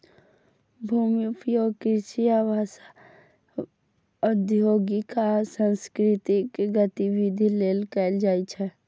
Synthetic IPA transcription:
bʱuːmiupjoɡkɪʃijaʋasa | əd̪ʱjoːɡikasə̃nskɾɪt̪ɪkɡət̪iʋid̪ʱileːlkɛːld͡ʒaːit͡ʃʰɛ

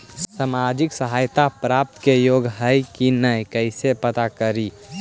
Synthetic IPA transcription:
samad͡ʒɪksəɦaːjt̪apɾap̚t̪kejoɡɦəjkinəjkəɪsepət̪akəɾi

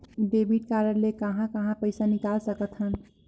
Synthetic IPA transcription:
ɖebiʈ̚kaɾənlekəɦãkəɦãpəɪsanikalsəkət̪ʰɦən

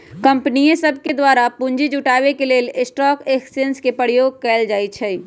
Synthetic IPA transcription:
kə̃mpnijẽsəbʱked̪waːɾapʊ̃ɲd͡ʒid͡ʒʊʈaːʋekeleːlɪsʈɔːkeksə̃nskepəɾjoːɡ̚kɛːld͡ʒaːit͡ʃʰɛ

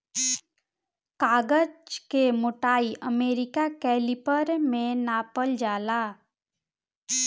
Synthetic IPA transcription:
kaːɡəd͡ʒkemʊʈaːiʔəmeːɾɪkakɛːlipəɾmẽnaːpəld͡ʒaːlaː

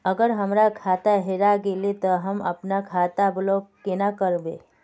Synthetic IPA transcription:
əɡəɾɦəmɾakʰaːt̪aɦeɾaɡelet̪ɔɦəmɐ̰pnakʰaːt̪ablokenakəɾbe

